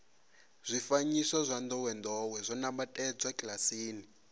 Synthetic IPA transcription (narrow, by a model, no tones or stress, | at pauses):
z̥ʷifaɲisɔzʷand̪ɔwɛndɔwɛzʷɔnambatʼɛd͡zwakʼlasiːni